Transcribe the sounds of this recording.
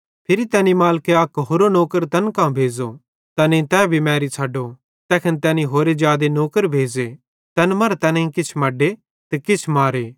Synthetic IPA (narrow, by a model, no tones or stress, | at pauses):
pʰɪɾit̪ɛːnimaːlkeɐkɦoːɾonoːkəɾt̪ɐnkãbʱeːd͡zo | t̪ɐnẽt̪ɛːbʱimɛːɾit͡sʰaːɖo | t̪ɛːkʰənt̪ɛːnĩɦoːɾed͡ʒjaːd̪enoːkəɾbʱeːd͡ze | t̪ɐnmɐɾt̪ɐnĩkɪt͡ʃʰmɐɖe | t̪ekɪt͡ʃʰmaːɾeː